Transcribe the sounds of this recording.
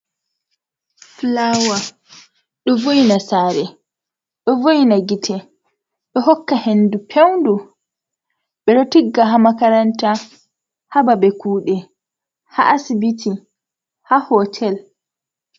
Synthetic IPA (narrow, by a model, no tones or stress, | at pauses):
flawa | ɗɔvojnasaːɾɛ | ɗɔvojnaɡitʰɛ | ɗɔhɔkːahendupʰewndu | ɓɛɗɔtiɡːaɦamakaɾanta | hababɛkuːɗɛ | ha̰ʔasibitʰi | hahɔtʰɛl